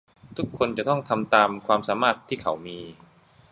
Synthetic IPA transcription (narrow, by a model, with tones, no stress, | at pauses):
t̪ʰu˦˥kʰːo˧nt͡ɕa˨˩t̪ɔ˥˩ŋt̪ʰa˧mt̪aː˧mkʰwaː˧msaː˩˦maː˥˩t̪ʰːiː˥˩kʰa̰˩˦wmiː˧